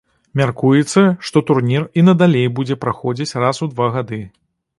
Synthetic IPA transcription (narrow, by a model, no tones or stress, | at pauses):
mʲarkujɛt̪sːɐʂt̪ɔt̪urnʲirinɐd̪alʲejbud͡zʲɛpɾaxɔd͡zʲit͡sʲrasud̪vaɣad̪ɨ